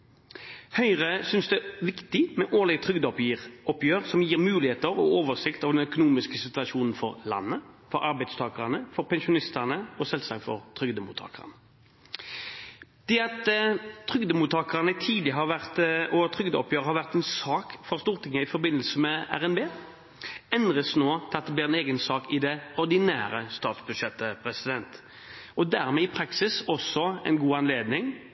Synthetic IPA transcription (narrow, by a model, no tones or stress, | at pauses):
hœʏʁəsʏnsd̪ɛʋɪkt̪ɪmɛʔoːʁlɛɡt̪ʰʁʏɡd̪ɔpjiʁʔɔpjøːʁsɔmjiːʁmʉːlɪheːt̪əʁɔ̰oːʋəʁsɪkt̪ɑʋd̪ɛnœkʊnuːmɪskəsɪt̪ʉɑʃuːnn̩fɔ̰ʁlɑ̰nːəfɔɾɑɾbæɪd̪st̪ʰɑːkəɑnəfɔɾpʰɛnʃʊnɪst̪ɑʁnəɔsɛlsɑkfɔ̰ʁt̪ʰʁʏɡd̪əmṵt̪ʰɑ̰ːkəɑ̰nə | d̪̥ɛːɑt̪ʰːɾʏɡd̪əmuːt̪ʰɑːkʁɑnət̪ʰiːd̪lɪɦɑɾʋæʁt̪ɔt̪ʰʁʏɡd̪əɔ̰pʰjøːʁəhɑʁʋæʁt̪ɛnsɑːkfɔʁst̪uːʁt̪ʰɪŋːəɪfɔbɪnːəlsəmɛæ̰ʁɛnbeː | ɛnʁəsnoːt̪ʰɪlɑt̪̚d̪ɛb̪lɪːʁɛneːɡənsɑːkɪd̪ɛɔɾd̪ɪnæːɾəst̪ɑːt̪sbʉd̪ʃɛt̪ːəpʰʁɛsɪd̪ɛnt̪ | ɔd̪æʁmɛɪpʰɾɑksɪsɔsɔɛ̰ɪnɡuːɑnleːd̪nɪŋ